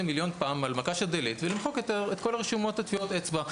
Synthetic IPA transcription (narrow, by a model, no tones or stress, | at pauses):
emiljo̞npaːmalmakaʃad̪elit̪velimχokjot̪eʁet̪ko̞laʁeʃumo̞t̪at̪fiot̪et͡sba